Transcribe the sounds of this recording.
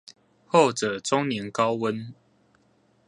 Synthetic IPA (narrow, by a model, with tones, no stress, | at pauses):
ho˥˨ʊʈ͡ʂə˨˩ʈ͡ʂʊ˦ŋnjɛ˨˦nkɑ˦ʊwə˦n